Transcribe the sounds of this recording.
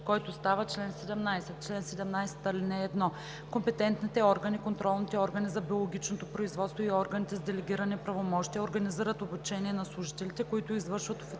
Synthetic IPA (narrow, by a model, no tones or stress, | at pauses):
kɔjt̪ost̪avət͡ʃlɛnsɛd̪ɛmnajsɛt̪̚t͡ʃlɛnsɛd̪ɛmnajsɛ̥t̪ɐlinɛːd̪nɔ | kompɛt̪ɛnt̪nit̪ɛɔɾɡənikont̪ɾɔlˠnit̪ɛɔɾɡɐnizɐbiolˠoɡʲit͡ʃnot̪opɾoizvɔt̪st̪voiɔɾɡɐnit̪ɛzd̪ɛlɛɡʲiɾɐnɛpɾɐvomɔʃt̪iəoɾɡɐniziɾət̪obut͡ʃɛniɛnɐslˠuʒit̪ɛlit̪ɛkoit̪ʊizvɤɾʃvɐt̪o̥fi